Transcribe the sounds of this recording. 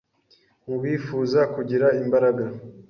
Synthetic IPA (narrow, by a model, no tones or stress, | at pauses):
muβiːfuːzakuɟiɾaimbaɾaɡa